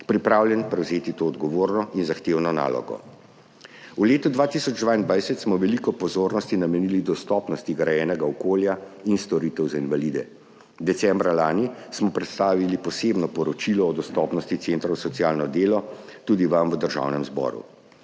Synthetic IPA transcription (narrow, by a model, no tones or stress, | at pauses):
pɾipɾaːwljɛnpɾɛwzeːt̪it̪oːd̪ɡɔʋoːɾnɔinzaxt̪eːwnɔna̰ːlɔ̰ɡɔ̰ | uleːt̪ud̪ʋaːt̪isɔd͡ʒd̪ʋaːind̪ʋajsɛt̪smɔʋɛlikɔpɔzoːɾnɔst̪inamɛnilid̪ɔst̪ɔːpnɔst̪iɡɾajɛːnɛɡaɔkoːljainst̪ɔɾit̪ɛwzainvalid̪ɛ | d̪ɛt̪sɛmbɾalaːnismɔpɾɛt̪st̪aːʋilipɔsebnɔpɔɾɔt͡ʃilɔːd̪ɔst̪ɔpnɔst̪it̪sent̪ɾawsɔt̪sijaːlnɔd̪eːlɔt̪uːd̪iʋamwəd̪əɾʒa̰ːwnɛmzbɔ̰ːɾṵ